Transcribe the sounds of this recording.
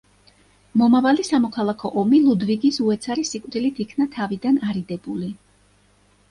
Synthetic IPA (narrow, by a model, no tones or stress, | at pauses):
mɔmavalisamɔkʰalˠakʰɔʔɔmilˠud̪viɡisuɛt̪sʰaɾisikʼvd̪ilit̪ʰikʰnat̪ʰavid̪anaɾid̪ɛbuli